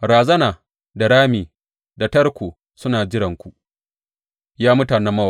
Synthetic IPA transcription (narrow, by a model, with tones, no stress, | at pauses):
ɾaː˨zɐ˦naː˨ | da˨ɾaː˦miː˨ | da˨tɐ˦rkʷoː˨ | sʊ˦naː˨d͡ʒɪ˦ɽɐ˨ŋkʷu˨ʔ | jaː˦mʊ˦taː˨nɛ˦mːɐ˦wa˨